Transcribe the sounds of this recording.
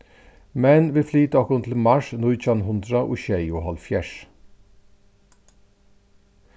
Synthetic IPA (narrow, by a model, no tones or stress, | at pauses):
mɛnʋiːflyːt̪əɔkʊnt̪ʰl̩mɑʃnʊʏc͡çɑnhʊnd̪ɾɑʔʊ̰ɕɛɪoːhɑlfjæʂ